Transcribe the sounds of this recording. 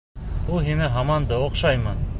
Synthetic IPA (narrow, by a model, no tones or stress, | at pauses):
ulˠɦinɘɦɑmɑnd̪ɤŏqʃɑjmɤn